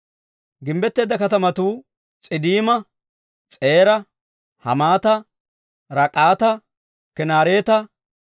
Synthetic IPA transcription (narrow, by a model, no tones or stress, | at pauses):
ɡɪmbɛt̪ːeːd̪ɐkɐt̪ɐmɐt̪uː | t͡sʼɪd̪iːmɐ | t͡sʼe̞ːɾɐ | hɐ̰maːt̪ɐ | ɾɐkʼaːt̪ɐ | kɛnaːɾe̞ːt̪ɐ